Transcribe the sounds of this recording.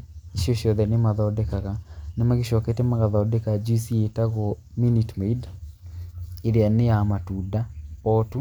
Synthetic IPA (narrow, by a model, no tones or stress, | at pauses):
iʃioʃɔðɛnemaðɔːdɛkaɣanamaɣeʃɔketɛmaɣaðaɔdɛkad͡ʒusietaɣɔminitmeid | eɾeanejamatudaɔtu